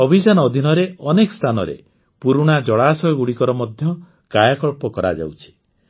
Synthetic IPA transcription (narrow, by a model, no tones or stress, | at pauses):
ɔbʱid͡ʒanɔɔd̪ʱinɔɾeɔnekɔst̪ʰanɔ̰ɾḛ | puɾuɽ̃ad͡ʒɔɭaːsɔjɡuɽikɔɾɔmɔd̪ʱjɔ | kajakɔɭpɔkɔɾa̰d͡ʒa̰wt͡ʃʰi̥